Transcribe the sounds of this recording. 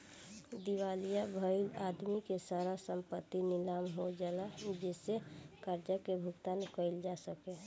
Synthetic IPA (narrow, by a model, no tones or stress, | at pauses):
d̪iwaːlijabʱəɪlaːd̪mikesaːɾasə̃mpət̪ːinɪlaːmɦod͡ʒaːnad͡ʒesekaɾd͡ʒəkebʱʊkt̪ankəɪld͡ʒasəke